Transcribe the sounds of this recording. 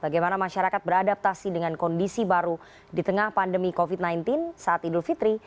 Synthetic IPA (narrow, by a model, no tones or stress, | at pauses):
b̥aɡajmanamaʃaɾakat̪̚bəɾadap̚t̪asidəŋankɔndisibaɾu | dit̪əŋahpandəmikofit̪̚najnt̪ɪnsaat̪idʊlfit̪ɾi